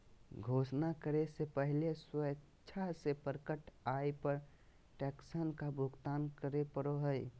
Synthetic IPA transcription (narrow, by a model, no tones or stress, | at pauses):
ɡʱoːsnakəɾesepəɦleswə | t͡ʃʰasepəɾkəʈajpəɾ | ʈɛksənkabʊɡt̪aːnkəɾepəɾoɦəj